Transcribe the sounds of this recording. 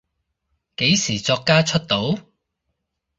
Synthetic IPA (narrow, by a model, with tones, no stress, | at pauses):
ke˨˥jsiː˨˩t͡sɔː˧kːaː˥t͡ʃʰɵ˥t̚t̪o˨˥w